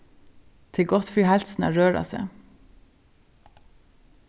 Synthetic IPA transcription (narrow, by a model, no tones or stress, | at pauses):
t̪ʰɪɡɔt̪fɹyːhælsn̩æ̰ːɹøːɹɑ̰sḛː